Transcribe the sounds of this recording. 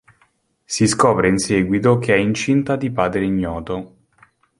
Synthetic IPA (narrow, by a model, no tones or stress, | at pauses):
siskɔːpɾeinsɛːɡwit̪ok̟ʰeɛint͡ʃint̪ad̪ipaːd̪ɾeiɲːɔːt̪o